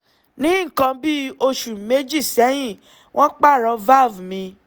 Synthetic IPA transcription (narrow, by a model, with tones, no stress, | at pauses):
nĩ˨˦ŋ̩˨kã˧bi˦o˧ʃu˨me˦d͡ʒi˦˨sɛ˨˦j̃ĩ˦˨ | wʔɔ̃˦k͡pa˦˨ɾɔ˧va˦˨vmĩ˧